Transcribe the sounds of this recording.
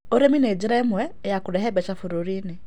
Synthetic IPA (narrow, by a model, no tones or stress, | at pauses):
oɾemined͡ʒiɾaɛmwɛːjakuɾɛɦɛbɛt͡ʃafuɾoɾine